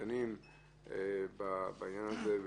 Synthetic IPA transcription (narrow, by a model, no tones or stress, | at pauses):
anim | ebabaaɲanazev